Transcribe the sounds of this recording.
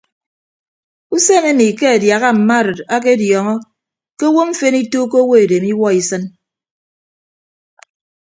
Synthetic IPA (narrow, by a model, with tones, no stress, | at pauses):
u˦se˦˨ŋe˦mi˨ke˦a˨dja˨ɣa˦m̩˨ma˦˨ɾɨ˨ta˦k̬e˦djɔ˨ŋɔ˦ | ke˦wo˦m̩˦fe˦ni˦to˦ko˦wo˦e˨de˨mi˦wɔ˦i˨sɨ˦n